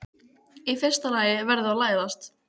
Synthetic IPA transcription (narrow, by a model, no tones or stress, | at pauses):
ifɪ̥st̪alaːjɪvɛɾðɪalaːjðast̪